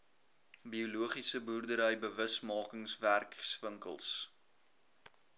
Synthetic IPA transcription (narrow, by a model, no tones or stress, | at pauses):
biuluəχisəburdəɾəjbəvəsmɑːkəŋsværksvəŋkə̰lˠs